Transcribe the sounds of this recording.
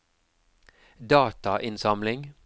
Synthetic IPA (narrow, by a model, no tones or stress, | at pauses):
d̪ɑːt̪ɑʔɪnsɑmlɪŋ